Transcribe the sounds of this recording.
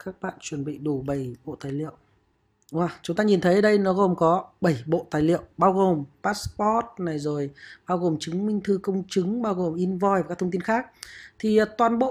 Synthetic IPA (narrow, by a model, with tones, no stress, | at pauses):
kaː˦˥k̚ɓa̰ː˧˨nt͡ɕwə˨˩nɓḭ˧˨ɗu˨˧˩ɓə˧˩jɓo̰˧˨t̪aː˨˩˦jlḭ˧˨əw | ʔwaː˨˩t͡ɕʊ˨˦ŋ͡mt̪aː˧ɲi˨˩nt̪ʰə˨˦jə˨˩ɗə˧jnɔ˨˦ɣo˨˩mkɔ˨˦ɓə˧˩jɓo̰˧˨t̪aː˨˩jlḭ˧˨əwɓaː˧wɣo˨˩mpaː˦˥spɔ˦˥t̚na˨˩jzo˨˩jɓaː˧wɣo˨˩mt͡ɕɨ˨˦ŋmï˧ŋ̟t̪ʰɨ˧kə˧wŋ͡mt͡ɕɨ˨˦ŋɓaː˧wɣo˨˩mʔi˧nvɔ˧jva˨˩kːa˦˥t̪ʰə˧ŋ͡mt̪i˧nxaː˦˥k̚t̪ʰi˨˩˨t̪waː˨˩nɓo̰˧˨